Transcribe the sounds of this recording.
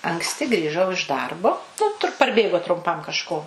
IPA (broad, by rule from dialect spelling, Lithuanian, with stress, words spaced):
ɐŋksʲˈtʲɪ ɡrʲiːˈʒɐʊ ɪʃ ˈdɐrboː ˈnʊ tʊr pɐrʲˈbʲeːɡoː trʊmˈpɐm kɐʃˈkoː